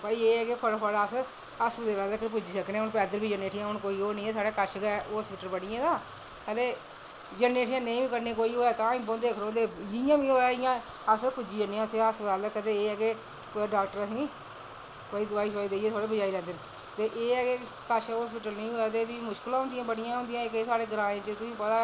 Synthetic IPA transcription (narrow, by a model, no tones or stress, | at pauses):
paːieːɛːkeːpʰəɽpʰəɽəs | əsd̪eːlaːleːkəp̬ʊd͡ʒiːsəknẽːʊnpɛːd̪əɾbiːd͡ʒəneːʈʰɪjãːɦʊnkoːiːoːnẽːɛːs̬aːɽeːkəʃɡeɦoːspɪːʈəlbəɽɪjãːd̪aː | kɛleː | d͡ʒənːeːʈʰjãːnəĩːbiːkəɾnẽːkoːiːoːɛːt̪ãːɪ̃ːbõːd̪eːkʰõːd̪eːd͡ʒɪjãːʋiːoːɛːɪjãː | əsəpʊd͡ʒiːənẽːãʊt̪ʰːeːasaːlːkət̪eːeːɛɡeː | ɖaːk̚ʈəɾəsĩː | oiːd̪aːiːʃaːiːd̪eːieːsaːɽeːbəd͡ʒaːiːlɛ̃ːnd̪eːn | t̪eːʔeːɛɡeː | kəʃɦoːspiːʈəlnəĩːɦoːɛːt̪eːbiːmʊʃkəlãːɦʊnd̪ɪjãːbəɽɪjãːɦʊ̃nd̪ɪjãːekeːsaːɽeːɡəɾãːẽːt͡ʃət̪ʊsĩːpət̪aː